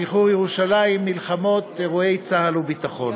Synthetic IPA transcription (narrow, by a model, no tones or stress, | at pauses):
iχujeʁuʃalaimːilχamo̞t̪eʁue̞jt͡sahalubit̪aχo̞n